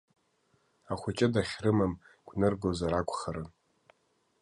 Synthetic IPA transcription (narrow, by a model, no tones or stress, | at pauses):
aχʷʊt͡ʃʼɪdaχʲrɨmam | ɡʷnɨrɡozaɾakʷʰʼχaɾɨn